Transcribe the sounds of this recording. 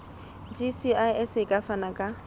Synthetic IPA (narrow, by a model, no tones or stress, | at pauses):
d͡ʒisiajɛsɪkʼafanakʼa